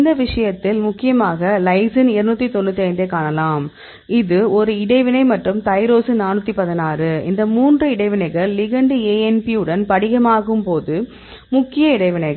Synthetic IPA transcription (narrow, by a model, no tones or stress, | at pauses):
ɪnd̪ɐʋɪʂɐjɐt̪ːɪlmʊkːɪjɐmaːɣɐlɐɪsɪnɪɾɯnuːt̪ːit̪ɔnːɯt̪ːiɐɪnd̪eːkːaːɳɐlaːm | ɪðɯɔɾɯɪɽɐɪʋɪnɐɪmɐʈrɯmt̪ɐɪɾoːsɯnaːnɯt̪ːipɐðɪnaːrɯɪ̰nd̪ɐmuːndrɯɪɽɐɪʋɪnɐɪɣɐɭːɪɣɐɳɖɯeːɛnpiɯɽɐnpɐɽɪɣɐmaːɣɯmpoːðɯ | mʊkːɪjɐɪɽɐɪʋɪnɐɪɣɐ